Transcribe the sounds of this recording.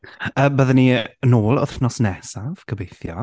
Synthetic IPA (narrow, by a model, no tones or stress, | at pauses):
əːbəðəniənoːlˠʊ̰θnɔsnɛsav̥kʰəbejθjɔ̰